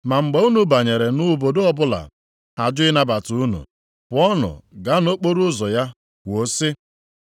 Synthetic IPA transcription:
ma˨ŋ͡m̩˨ɡ͡be˨u˦nu˨ba˨ɲe˨ɾe˨nʊ˦bo˨do˦ɔ˦bʊ˦la̰˨ | ha˨d͡ʒʊ˦ɪ˦na˦ba˨tu˨u˦nṵ˨ | pʊ˨ɔ˦nʊ̰˨ɡa˦no˦k͡po˦ɾu˦zɔ˨ja˦ | wo˦sɪ˦

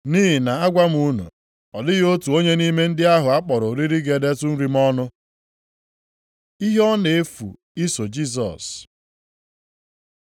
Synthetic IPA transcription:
niː˦ɦɪ˨na˨a˦ɡʷa˦m̩˦u˦nṵ˨ | ɔ˨dɪ˦ɣo˦tu˨o˦ɲe˦ni˦me˦n̩˦dɪ˦a˦ɦʊ˨a˦k͡pɔ˨ɾʊ˨ɾi˦ɾi˦ɡe˨de˦tʊ˦n̩˦ɾi˦m̩˦ɔ˦nʊ˦ | i˦ɦɔ˦ne˨e˦fṵ˨ | i˦so˨d͡ʒi˦s̬ɔ̰˨s

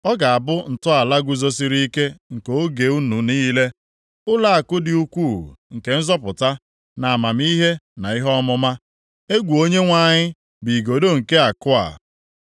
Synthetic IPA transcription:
ɔ˦ɡa˨a˨bʊ˦n̩˨tʊ˦a˨la˦ɡʷu˨zo˦s̬i˦ɾi˦i˦ke˦ŋ̩˨ko˦ɡe˨˦u˦nu˨niː˦le˦ | ʊ˦la˦a˨kʊ˦dɪ˨u˦kʷuː˦˨ŋ̩˨ke˨n̩˦zɔ˦pʊ˨ta˦ | na˨a˨ma˨m̩˦i˦ɦe˦na˨i˦ɦɔ˦mʊ˦ma˦ | e˦ɡʷu˨o˦ɲe˦ŋʷa˦˨ɲɪ˦ | bi˨ɡo˨do˦ŋ̩˨ke˦a˨kʊ˦a̰˨

